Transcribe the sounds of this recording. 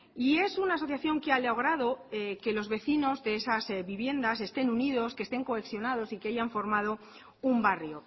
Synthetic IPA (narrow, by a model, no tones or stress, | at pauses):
ie̞sunaːso̞θjaθjo̞ŋkealeaoɣ̞ɾaðo̞eke̞lo̞zβe̞θino̞zðe̞esazβiβje̞nd̪ase̞st̪e̞nuniðo̞skest̪e̞ŋkoeksjo̞nað̞o̞sikeaʝaɱfo̞ɾmað̞o̞ | umbarjo̞